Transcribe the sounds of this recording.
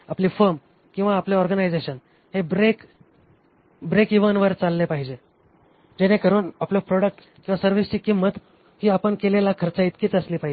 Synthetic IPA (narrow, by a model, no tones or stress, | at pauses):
apliːfəɾm | kĩw̃ʋaːpleɔɾɡənajd͡zeɕən | hebɾek | bɾekiʋənʋəɾt͡salːepaɦid͡ʑe | d͡ʑenekəɾuːnaplopɾɔɽək̚ʈ | kĩw̃ʋasəɾʋist͡ɕiːkimːət̪ | hiːapəɳkelelakʰəɾt͡sait̪kiːt͡səsliːpaɦid͡ʑe